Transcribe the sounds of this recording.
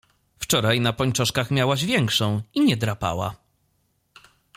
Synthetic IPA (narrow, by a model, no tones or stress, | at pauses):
ft͡ʂɔɾajnapɔɲt͡ʂɔʂkaxmʲjawaʑvʲjɛŋkʂɔ̃w̃iɲɛd̪ɾapa̰wa̰